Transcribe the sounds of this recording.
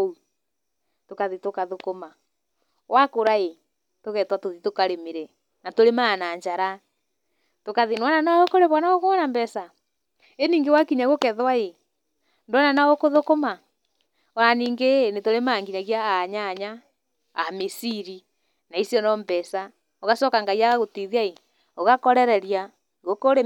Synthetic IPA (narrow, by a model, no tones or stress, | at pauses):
u | tokaðitokaðokoma | wakoɾae | toɣɛtwatoðitokaɾemiɾɛ | natoɾemaːnaɲd͡ʒaɾa | tokaðinwananaokoɾeβwanaɣokomanambɛsa | eniːŋɡewakiɲaɣokɛðwae | ndonanaokoðokoma | oɾaniːŋɡenetoɾemaːŋɡiɲaɣjaaɲaɲa | amisiɾi | naisjɔnɔmbɛsa | oɣasɔkaŋɡaiaɣaɣotiðiae | oɣakɔɾɛɾɛɾja | ɣokoɾe